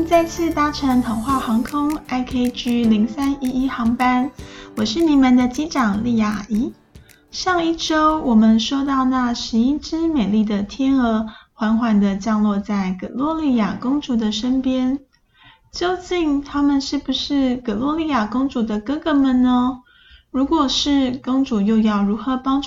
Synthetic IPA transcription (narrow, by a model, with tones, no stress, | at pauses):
t͡sa˥˧ɪt͡ɕʰi˥˩t̪a˥ʈ͡ʂʰə˧˥ŋt̪ʰɑ˨˩ŋxwa˥˩xɑ˧˥ŋkʰʊ˥ŋa˥ɪkʰe˥ɪt͡ɕy˥li˧˥ŋsa˥ni˥i˥xɑ˧˥ŋpa˥nwɔ˨˩ʂɻ̩˥˩ni˨˩mə˨nd̪ə˨t͡ɕi˥ʈ͡ʂɑ˨˩ŋli˥˩ja˨˩i˧˥ | ʂɑ˥˧ŋi˥˩ʈ͡ʂo˥ʊwɔ˨˩mə˨˦nʂwɔ˥t̪ɑ˥˧ʊna˥˧˩ʂɻ̩˧˥i˥˩ʈ͡ʂɻ̩˥me˨˩li˥˩d̪ə˩t̪ʰjɛ˥nə˧˥xwa˧˥nxwa˧˥nd̪ə˨t͡ɕjɑ˥˧ŋlwɔ˥˧t͡sa˥˩ɪkɤ̰˨˩lwɔ˥˧li˥˩ja˨˩kʊ˥ŋʈ͡ʂu˨˧˥d̪ə˨ʂə˥npjɛ˥n | t͡ɕjo˥˧ʊt͡ɕi˥˩ŋt̪ʰa˥mə˨nʂɻ̩˥˩bu˨˩ʂɻ̩˥˩kɤ˨˩lwɔ˥˧li˥˩ja˨˩kʊ˥ŋʈ͡ʂu˨˩d̪ə˧kɤ˥ɡɤ˧˦mə˨nnə˧ | ɻu˧˥kwɔ˨˩ʂɻ̩˥˩kʊ˥ŋʈ͡ʂu˨˩jo˥˧ʊjɑ˥˩ʊɻu˧˥xɤ˧˦pɑ˥ŋʈ͡ʂ